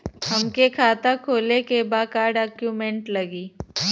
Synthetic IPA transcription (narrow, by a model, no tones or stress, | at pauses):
hɐmkekʰaːt̪akʰoːlekebaːkaːɾɖɛːkjumẽɳʈlɐɡiː